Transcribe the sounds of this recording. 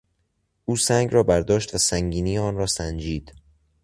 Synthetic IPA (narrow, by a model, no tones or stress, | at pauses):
ʔuːsæŋɡɾɒːbæɾd̪ɒːʃt̪væsæŋɟiːniːeɒːnɾɒːsænd͡ʒiːd̪̥